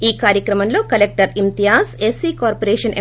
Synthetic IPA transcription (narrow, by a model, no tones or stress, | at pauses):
iːkaːɾjɐkɾɐmɐnlo̞ːkɐlek̚ʈɐɾimt̪ijaːsesiːkaːɾpoɾeːʂɐnʔe